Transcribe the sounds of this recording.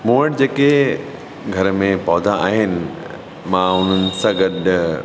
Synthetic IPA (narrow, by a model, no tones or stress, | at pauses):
moːɪʈd͡ʑeːke | ɡʱɐɾmẽpɔːd̪ʱaaːɦɪnɪ̆ | mãʊn̤ənɪ̆sãɡɐɗ